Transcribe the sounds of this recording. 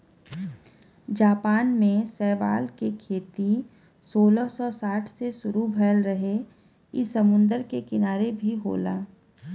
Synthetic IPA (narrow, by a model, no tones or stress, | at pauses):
d͡ʒaːpaːnmẽsɛːʋa̰ːlkekʰeːt̪i | soːləsɔːsaːʈʰsesʊɾubʱɛːəlɾəɦe | ɪsɐmʊ̃nd̪əɾkekɪnaːɾebʱiɦo̰ːla̰ː